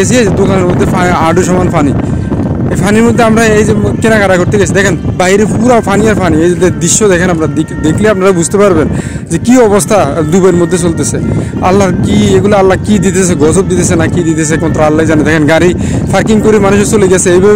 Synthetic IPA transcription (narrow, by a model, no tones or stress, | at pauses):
esʰiajzed̪okaneɾmod̪ʱːefʰaaɖoʃɔmanfʰani | epʰaniɾmod̪ʱːeamɾaejzekenakaɾaɡʰʱoɾt̪eɡɛsʰid̪ɛkʰenbaɦiɾepuɾawpʰanijaɾfʰaniejd͡ʑed̪ed̪iʃːod̪ɛkʰenapnaid̪ekʰliapnaɾabud͡ʑʱt̪epaɾben | d͡ʑekiɔβost̪ʰad̪ubaeɾmod̪ʱːes̬olt̪esʰea̰lːaɾkieɡulaalːakid̪it̪esʰeɡɔzob̚d̪it̪esʰenakid̪it̪esʰeɛkmat̪ːɾoalːajzaned̪ɛkʰenɡaɾi | fʰaɾkiŋkoɾimanuʃesoleɡɛsʰeejbɛ